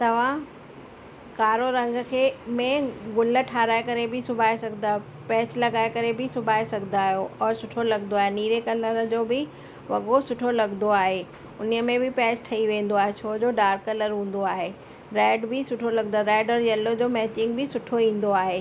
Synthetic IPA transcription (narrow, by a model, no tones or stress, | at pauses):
t̪ɐʋ̤ã | kaːɾoɾɐ̃ŋɡʱəkʰeːmẽɡʊlə̆ʈʰaːɾaːekɐɾebʱɪsʊbʱaːesɐɡʱɪnd̪aː | pɛːt͡ɕlɐɡaːekɐɾebʱɪsʊbʱaːesɐɡʱɪnd̪aːɦijoʔɔːɾsʊʈʰolɐɡnd̪oaːɦeniːɾekɐləɾəd͡ʑoːbɪ | ʋɐɠosʊʈʰolɐɡnd̪oaːɦe | ʊniəmẽbɪpɛːt͡ɕʈʰɐiʋẽːn̆d̪oaːɦet͡ɕʰoːd͡ʑoːɖaːɾkːɐləɾɦũːn̆d̪oaːɦeː | ɾɛːɖbʱɪsʊʈʰolɐɡnd̪aɾɛːɖəɾjɐlod͡ʑoːmɛːt͡ɕɪ̃ŋɡ̚bʱɪsʊʈʰoĩːn̆d̪oaːɦeː